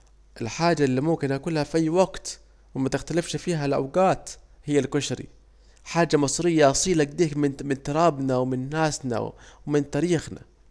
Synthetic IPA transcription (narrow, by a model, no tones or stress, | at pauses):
ʔɪlħaːd͡ʒalːimʊmkɪnʔakuːlhafʔajːwaɡt̪ | wɪmat̪ɪxt̪alɪfʃfiːɦalʔa̰wɡaːt̪ | hɪjːalkʊʃɾḭ | ħaːd͡ʒːamɨsˤɾɪjːaʔɑsˤiːlaɡd̪iːkmɪnmɪnt̪ʊɾˤɑːbnawmɪnːaːsna̰wwmɪnt̪aːɾiːxna̰